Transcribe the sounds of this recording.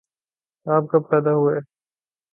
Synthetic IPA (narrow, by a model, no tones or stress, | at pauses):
aːp̚kappɛːd̪aɦueː